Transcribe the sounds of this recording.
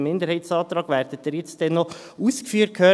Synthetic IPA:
mɪnd̪əɾhɛɪtsɑːt̪ɾɑːɡ̥ʋæːɾd̥ət̚d̥əɾjɪt͡sd̥ɛnːɔ | uːskfyːəɾt̚kʰhøː

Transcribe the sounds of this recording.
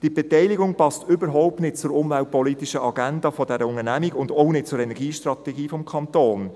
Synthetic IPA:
d̥ib̥ɛtɛɪliɡʊŋpɑstʏbəɾɦɔʊp̚tnɪt̚t͡sʊɾʊmvælt̚pɔlitiʃəʔɑɡændɑfɔdɛɾəʊŋənæmiɡʊndoʊnɪt̚t͡sʊɾɛnɛɾɡiːʃtɾɑtɛɡiːfɔmkʰɑnt̪oːn

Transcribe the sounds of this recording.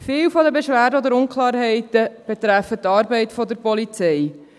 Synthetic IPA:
fɪːwfɔd̪əbeʃʋæːɾdəɔdəɾʊŋkʰlɑːɾɦɛɪtəb̥ɛt̪ɾæfət̪ːɑːɾbɛɪtfɔd̪əɾpɔlit͡sɛj

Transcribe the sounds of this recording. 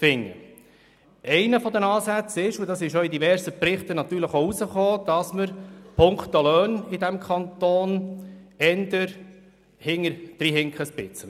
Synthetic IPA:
fɪŋːə̰ | ʔɛɪnəfɔd̪ənɑːsæt͡sɪʃʊd̪ɑsɪʃoid̪ivɛɾsəprɪχt̪ənɑt̪yːɾləχoːusəχoːd̪̥ɑsməɾpʰʊŋkχt̪olœːnɪd̪æmkʰɑnt̪oːn | ɛnd̪əɾ | hɪŋːəɾd̥ɾiːɦɪŋkχəspɪt͡sə

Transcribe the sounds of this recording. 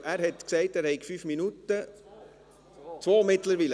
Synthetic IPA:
ʔæːɾhɛtksɛɪtæːɾhɛɪɡfyːfminutə | t͡sʋoːmɪtləɾʋiːlə

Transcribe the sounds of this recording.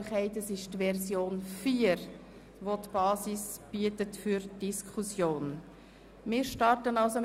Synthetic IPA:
χɛɪtəsɪʃtvɛɾsjoːnfiːəɾ | ʋotb̥ɑːsisb̥iətətfyɾd̥iskʰχusjoːn | mɪːɾʃtɑɾtənɑlsom

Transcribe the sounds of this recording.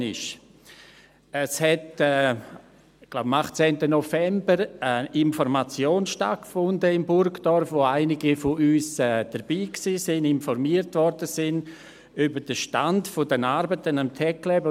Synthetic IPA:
nɪʃ | əshɛtɛː | ɡ̥laʊbmaχt͡sɛːntənɔfɛmbəɾəɪnfɔɾmat͡sjoːnsʃta̰t̚kfʊndəɪmbʊɾkd̥ɔɾfʋoaɪnɪɡifoyːsɛːd̥əɾb̥iːksiːsɪnɪnfɔɾmiəɾtʋɔɾd̥əsɪn | ybəd̥əʃtantfodənaɾbətənamtʰɛklɛb

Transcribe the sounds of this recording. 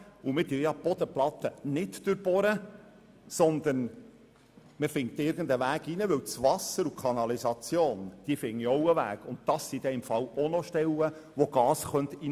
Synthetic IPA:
umɪd̪yjɑb̥ɔd̪əplɑt̪ənɪtd̥øɾb̥ɔɾə | sɔnd̪ən | məfɪŋt̪ɪɾɡən̩d̪əʋæːɡinəʋʏwt͡sʋɑsəɾukʰɑnɑlizɑt͡sjoːnd̥iəfɪŋːiɔwəʋæ̰ːɡ̥ʊnt̚d̪ɑsːid̥̪ɛɪmfɑlɔnɔʃtɛwə | ʋoɡ̥ɑːsχœnt̪i

